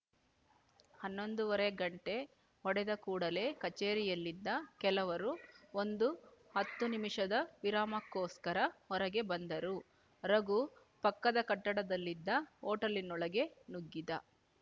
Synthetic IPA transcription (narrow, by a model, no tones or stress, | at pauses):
hɐnːo̞nd̪uʋɐɾeɡɐɳʈe̞ | ɦɔɽɛd̪ɐkuːɽɐle̞kɐt͡ʃeːɾijɐlːid̪ːɐkɛlɐʋɐɾuond̪uhɐt̪ːunimiʂɐd̪ɐʋiɾaːmɐkːoːskɐɾɐɔɾɐɡe̞bɐnd̪ɐɾu | ɾɐɡu | pɐkːɐd̪ɐkɐʈːɐɽɐd̪ɐlːid̪ːɐoːʈɐlinːɔɭɐɡe̞nuɡːid̪ɐ